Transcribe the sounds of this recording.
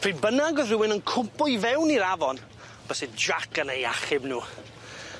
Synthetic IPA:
pʰr̥iːbənaɡɔðrɪwɪnənkʰʊmpʊjvɛwniɾavɔn | b̥əsɪdɹakənejaχɪbnuː

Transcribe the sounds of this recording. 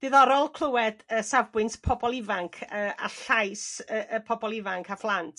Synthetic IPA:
d̥ɪðɔɾɔlˠkʰlˠəwɛdəsavbwɨnspʰɔbɔlˠɪvaŋkʰəːa̰ɬajsəʔəpʰɔbɔlˠɪvaŋkʰaflˠantʰ

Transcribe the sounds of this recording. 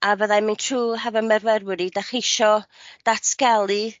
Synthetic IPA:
avəðamintʰruːɦɛvɔmɛrvɛrwɪɾidaχɪʃɔd̥atʰɡɛlˠɨ

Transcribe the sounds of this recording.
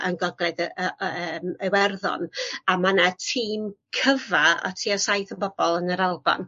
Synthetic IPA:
ʔənɡɔɡlˠɛdəəmewɛrðɔ̰namanatʰiːmkʰəvaɔ̰tʰiːɔsajθənbɔb̥ɔlˠənəɾalˠba̰n

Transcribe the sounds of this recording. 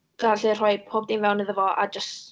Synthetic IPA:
ɡ̥arɬɨr̥ɔjpʰoːbdinvɛwnəðəvɔʔa̰d͡ʒəst

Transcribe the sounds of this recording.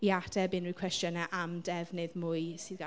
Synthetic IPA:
iadɛbɪnuːkʰwɛstjənɛʔamdɛvnɨðmʊːɨsiðɡa

